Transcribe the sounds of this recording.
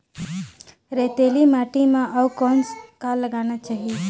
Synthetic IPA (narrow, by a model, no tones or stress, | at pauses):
ɾet̪elimaʈimãʔəwkɔnskalːəɡanat͡ʃaːɦie